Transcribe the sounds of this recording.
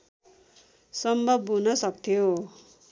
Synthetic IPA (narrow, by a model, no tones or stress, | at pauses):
sʌmbʱʌbunʌsʌk̚t̪ʰjo